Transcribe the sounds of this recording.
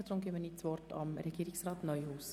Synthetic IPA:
əd̥̪ɾʊmɡemənɪtt͡sʋɔrtɑ̰mɾʔɛɡiːɪksrɑːtnœʏhuːs

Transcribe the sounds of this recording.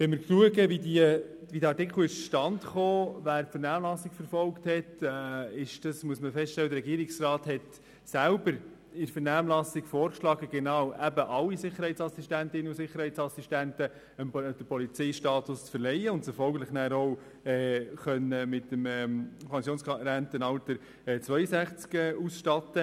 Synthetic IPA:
ʋɛnmɪɾkluəɡəvidiəʋid̪ɑɾtɪkl̩ɪʃt͡sʃtɑntχoːvæːɾpfəɾnæːmlɑsɪkfəɾfɔlkthɛtɛɪʃd̥ɑsmuəsməfɛstʃtɛlːəd̪əɾɛɡiːɾɪksrɑːthɛt | sælbəɾ | ɪɾfəɾnæːmlɑsɪɡ̥foːɾkʃlɑːɡəɡ̥ɛnɑwʔæbəʔɑlːisɪχəɾhɛɪtt͡sɑsistæntɪnːəusɪχəɾhɛɪtt͡sɑsistæntə | əmd̥əpʰɔlit͡sɛɪʃtɑːt̪ʊst͡sfəɾlɛjəʊntsɪfɔlɡəlɪχnæːɾow | ɛːχœnəmɪtːəmɛpʰɑnsjoːnsɾæntənɑltəɾ | ɛːt͡sʋœʏəsæχt͡skɛːʔusʃtɑtə

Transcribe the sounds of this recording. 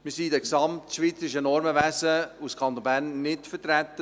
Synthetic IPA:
mɪsidɛksɑmtʃʋiːt͡səɾɪʃənɔɾməvæsəuskʰɑnt̪onbæːrnːɪtfəɾtɾæt̪ːə

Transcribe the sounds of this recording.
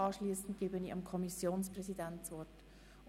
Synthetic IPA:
ɑːʃliːsn̩t̚ɡ̥ɪbəniːɑmkʰɔmisjoːnsprɛzidɛntt͡svɔt

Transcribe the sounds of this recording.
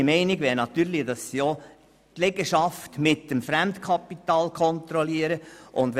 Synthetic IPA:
mɛɪnɪɡʋɛlnɑt̪yːɾlidɑsːjo | t̪lɛɡəʃɑftmɪtːəmfɾæmt̪kʰɑpːit̪ɑːlkʰɔnt̪ɾɔliəɾəʔʊndʋ

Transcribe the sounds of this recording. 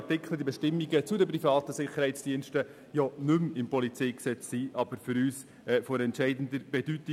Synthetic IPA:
tɪkʰləd̪ibɛʃtɪmːiɡət͡sʊd̪əprifɑːt̪əsɪχəɾhɛɪt͡sd̥iːənʃtə | jɔnʉmɪmpɔlit͡sɛɪksɛt͡ssiʔɑb̥əɾfʏɾyːs | ɛfɔɾɛntʃɛɪdn̩d̪əb̥ed̥yt̪i

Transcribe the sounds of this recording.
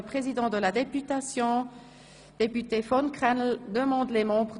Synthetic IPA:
pχezid̪ɑ̃d̪əlad̪epyt̪asjɔ̃ | d̪̥epyt̪efɔnkχɛnld̪əmɑ̃d̪lemɑ̃bʁ

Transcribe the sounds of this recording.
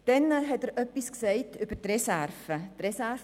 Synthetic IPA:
d̥ɛnɦɛtɛɾʔœpːisksɛɪtʰybəɾtrɛsærfətrɛsæɾf

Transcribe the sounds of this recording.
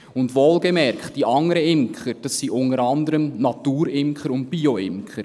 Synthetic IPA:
ʊndʋoːlɡəmɛrkχtd̥iʔɑŋːəɾəɪmkχəɾd̥ɑsːiʔʊnəɾɑndəɾəmnɑtuːɾɪmkχəɾʊnt̚b̥iːoɪmkχəɾ

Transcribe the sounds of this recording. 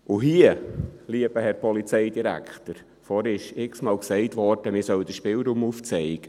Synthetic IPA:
ʔʊɦiəliəb̥əhɛɾpʰɔlit͡sɛɪdiɾæ̰kχt̪əɾ | fɔɾɪʃɪksmɑːlksɛɪtʋɔɾd̥əmɪsœwd̥əʃpɪlɾuːmuft͡sɛɪɡ̥ə

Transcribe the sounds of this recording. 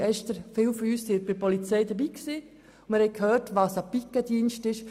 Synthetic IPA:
ɛʃtəɾfɪːlfɔyːssɪtb̥ɪpɔlit͡sɛɪdəbiːksiː | mɪɾhɛɪkʰhøːɾtʋɑːsapikədiənʃtɪʃ

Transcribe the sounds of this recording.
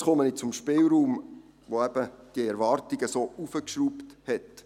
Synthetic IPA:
sχɔmənit͡sʊmʃpɪːlɾuːm | ʋoɛb̥əd̥iəɛɾʋɑːɾtiɡəsoːʔufəkʃɾuːpthɛt

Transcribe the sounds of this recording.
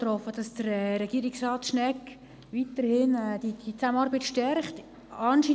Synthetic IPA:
tɾɔfəd̥ɑsd̥əɾɛɾɛɡ̥iːɾɪksrɑːtʃnɛk | ʋitərhɪnɛd̥id̥it͡samənɑːɾbətʃtɛɾχt | ɑnʃiː

